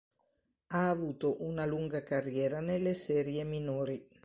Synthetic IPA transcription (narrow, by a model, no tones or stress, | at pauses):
aːvuːt̪oʔunaluŋɡakarːjɛːɾanelːesɛːɾjeminoːɾi